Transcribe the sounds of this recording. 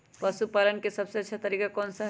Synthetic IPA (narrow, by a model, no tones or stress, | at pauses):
pɐsupaːlənkesɐbseɐtːʃʰat̪ɐɾiːkakoːnsɐ